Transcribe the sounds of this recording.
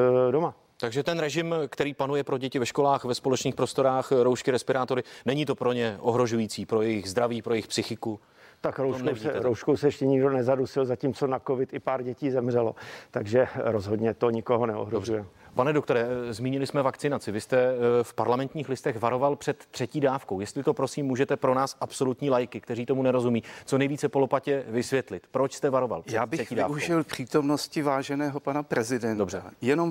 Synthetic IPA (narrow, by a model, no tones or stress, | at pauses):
doma | t̪aɡʒɛt̪ɛnɾɛʒɪmkt̪ɛɾiːpanujɛpɾo̞ɟɛcɪvɛʃko̞laːxvɛspolɛt͡ʃniːxpɾo̞st̪o̞ɾaːxɾowʃkɪɾɛspɪɾaːt̪o̞ɾɪnɛɲit̪o̞pɾo̞ɲɛʔo̞ɦɾo̞ʒujiːt͡siːpɾo̞jɛjɪɣzd̪ɾaviːpɾojɛjɪxpsɪxɪku | t̪akɾowomnoisɛɾowʃkowsɛjɛʃcɛɲɪɡdonɛzadusɪlzaciːmt͡so̞nakovɪt̪ɪpaːɾɟɛciːzɛmrɛlo̞̰t̪aɡʒɛɾozɦodɲɛt̪o̞ɲɪkoɦonɛo̰ɦɾoorujɛmpanɛdokt̪o̞ɾɛzmiːɲɪlɪsmɛvakt͡sɪnat͡sɪvɪst̪ɛfpaɾlamɛnt̪ɲiːxlɪst̪ɛxvaɾo̞valpr̥ɛt̪ːr̥ɛciːdaːfkowjɛst̪lɪt̪o̞pɾo̞siːmːuːʒɛt̪ɛpɾo̞naːsʔapso̞lut̪ɲiːlajkɪkt̪ɛriːt̪o̞munɛɾo̞zumiːt͡sonɛjviːt͡sɛpolopacɛvɪsvjɛt̪lɪt̪pɾo̞t͡ʃst̪ɛvaɾo̞va̰lprjɛaːbɪɛiːdaːfuʒɪlpr̝̥iːt̪o̞mnoscɪvaːʒɛnɛːɦopanapɾɛzɪdɛndobrɛajɛnom